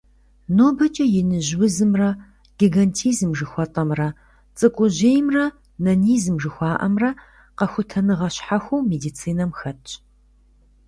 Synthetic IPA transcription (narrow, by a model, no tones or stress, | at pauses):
noːbɐt͡ʃʼɐjɪnɨʑwʊzɨmrɐ | ɡ̥iɡɐntʰiːzmʒɨxʷɔtʼɐmrɐ | t͡sʼɨkʷʼʊʑeːjmrɐ | nɐniːzmʒɨxʷɑːʔɐ̰mrɐ | qɐxʷʊtʰɐnɨʁɐɕħaxʷuwmeːdiːt͡sʰiːnɐmxɐtʼ